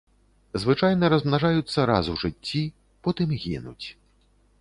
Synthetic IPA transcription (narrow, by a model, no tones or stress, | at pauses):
zvɨt͡ʂajnɐɾɐzmnaʐajut̪sːɐɾa̰zuʐɨt͡sʲːi | pɔt̪ɨmɣʲḭnut͡sʲ